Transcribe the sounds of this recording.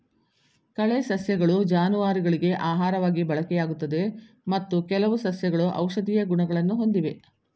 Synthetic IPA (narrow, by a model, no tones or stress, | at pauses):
kɐɭesɐsjɐɡɐɭud͡ʒaːnuʋaːɾiɡɐɭiɡe̞ʔaːɦaːɾɐʋaːɡibɐɭɐkɛjaːɡut̪ːɐd̪e̞ | mɐt̪ːukɛlɐʋusɐsjɐɡɐɭuʔɐ̰wʂɐd̪ijɐɡuɳɐɡɐɭɐnːuɦo̞nd̪iʋe̞